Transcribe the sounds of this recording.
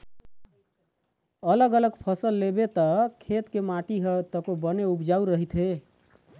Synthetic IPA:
ələɡələɡpʰəsəlːebet̪əkʰet̪kemaʈiɦət̪əkobəneubd͡ʒauɾəɦit̪ɦe

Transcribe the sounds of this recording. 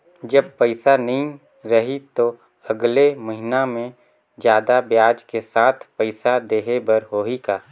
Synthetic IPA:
d͡ʒəb̚pəɪsanəɦĩ | ɾɐɦit̪o | ɐɡleməɦɪnamẽ | d͡ʒjaːd̪abjaːd͡ʒkesaːt̪ʰpəɪsad̪eːɦebɐɾɦoːɦikaː

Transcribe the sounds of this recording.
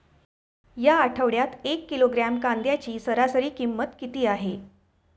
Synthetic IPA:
jaːʈʰəʋɽjat̪ekːiloɡɾamkand̪jat͡ɕiːsəɾasəɾiːkimːət̪kit̪iːaɦe

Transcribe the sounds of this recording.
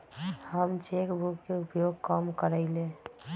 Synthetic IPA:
həmt͡ʃekbukːeʊpjoɡ̚kəmkəɾəɪlẽ

